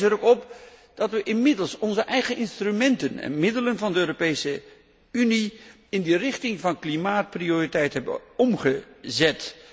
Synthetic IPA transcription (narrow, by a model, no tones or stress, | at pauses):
əɾokɔp̚d̥ɑtʋəʔɪnmɪdəlˠsɔnzəʔɛjχəɪnstrymɛntənɛ̰nmɪdələnvɑndəøːropejsə | yni | ɪndirɪχtɪŋvɑnklimaːt̚prioːritɛjtɦɛbə̰ɔmχəzɛt